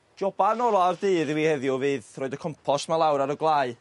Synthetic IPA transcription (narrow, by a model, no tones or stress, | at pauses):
d̥ɔbanɔɾaardɨːðwiːhɛðjʊvɨːðroɨdəkʰɔmpʰɔstmalˠawɾaɾɔɡlˠaːɨ